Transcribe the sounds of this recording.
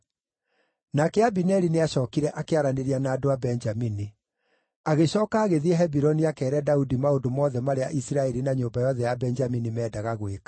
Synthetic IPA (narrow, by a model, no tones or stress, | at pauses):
nakɛabinɛɾineaɕɔːkiɾɛʔakeaɾaneɾianaːdoabɛnd͡ʒamini | aɣeɕɔːkaːɣeðiɛɦɛbiɾɔniakɛːɾɛdaudimaodomɔːðɛmaɾeaʔisiɾaɛɾinaɲoːmbajɔðɛjabɛnd͡ʒaminimɛːdaɣaɣwekḁ